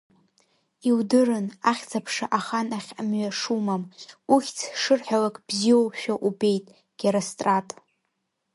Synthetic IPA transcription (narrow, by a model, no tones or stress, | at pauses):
iwdɨrɨnaχʲt͡sʰapʰʂaʔaχanaχʲmɥaʂumamuχʲt͡sʰʂɨrħʷᶣalakʼb̥zijowʃᶣaʔube̞jtʼ | ɡ̥ʲeɾostʼratʼ